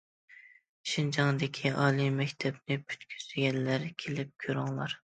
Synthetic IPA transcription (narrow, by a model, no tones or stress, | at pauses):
ʃind͡ʒɑŋd̪ɪkʲʰiʔɑːlˠimɛkʲt̪ʰɛbnɪpʰy̥t̪kʲʰy̥z̥ɡʲɛnlæɾkʲʰelɪp̚kʲʰøɾɪŋlˠɑɾ